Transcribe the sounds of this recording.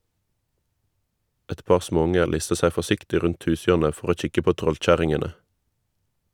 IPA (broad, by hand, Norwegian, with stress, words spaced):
ˈɛt ˈpɑʁ ˈsmoːˌʊŋə ˈlɪstə ˈsæ fɔˈsɪktɪ ˈʁʉnt ˈhʉːˌsjøːʁnə ˈfɔʁ ˈoː ˈc͡çɪkə ˈpoː ˈtʁɔlˌc͡çæʁɪŋənə